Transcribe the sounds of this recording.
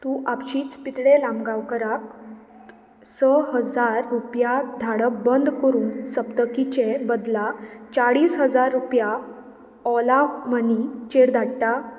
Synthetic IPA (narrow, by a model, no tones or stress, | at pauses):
t̪uːʔapɕiːt͡spit̪ɽelãmbɡawkəɾak | səɦəd͡zaɾːupjad̪ʱaɽəbənd̪ʱkəɾuːnsəpt̪əkit͡ɕebəd̪lat͡saɽiːsɦəd͡zaɾːupja | ɔlamənit͡ɕeɽd̪ʱaɽʈ̪a